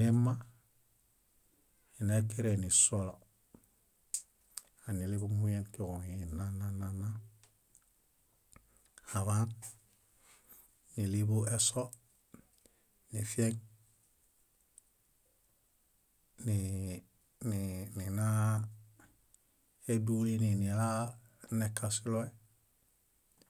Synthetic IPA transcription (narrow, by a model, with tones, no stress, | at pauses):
e˦mːa˦ | i˨na˦ke˦ɾe˨ni˨so˦lo˨ | a˨ni˨li˦bu˦mu˦je˦ŋki˨ko˨ŋi˨na˦na˦na˦na˦ | a˨βa˦n | ni˨li˦bu˦e˦so˦ | ni˨fi˦e˦ŋ | ni | nni˨na˦ | e˦du˦i˦ni˨ni˨ela˦ | ne˨kʰa˨si˦lo˦e˦